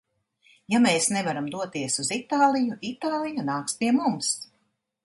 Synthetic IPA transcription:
jameːsnevaɾamd̪uɔt̪iɛsuzit̪aːlˠijuʔit̪aːlˠijanaːkspiɛmums

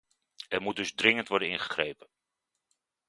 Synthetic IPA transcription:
ɛrmut̚dɵzdrɪŋəntʋɔɹdəɪnχə̥χrejpə

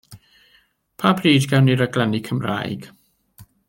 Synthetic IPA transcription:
pʰaːbriːdɡɛwniɾəɡlˠɛnikʰəmra̰jɡ̥

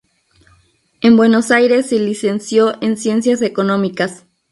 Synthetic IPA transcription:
e̞mbwe̞no̞sajɾe̞sːelise̞nsjo̞ʔensje̞nsjase̞ko̞nõ̞mikas

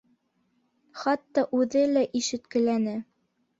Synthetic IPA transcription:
χɑt̪ːɑʔʉðɘlæʔiʃɘ̆t̪kɘ̆lænɘ

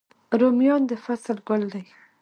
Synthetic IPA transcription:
ɾomjɑnd̪əfasəlɡʊld̪aj

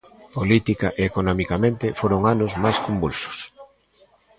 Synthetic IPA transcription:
polit̪ikaʔeekonɔmikamẽnt̪ɪfoɾoŋanʊzmajskombulsʊ̥s

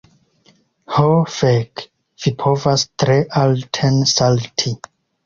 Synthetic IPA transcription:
hofek | v̥ipʰovastɾeʔaltʰensaltʰi

